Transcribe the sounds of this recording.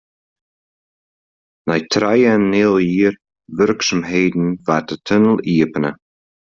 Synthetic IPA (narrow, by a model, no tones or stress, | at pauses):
najt̪ʰɾajənːɪlˠjiːɾ | vʏɾksəmɦeːd̪n̩vat̪ət̪ʰʏnəliːəpənə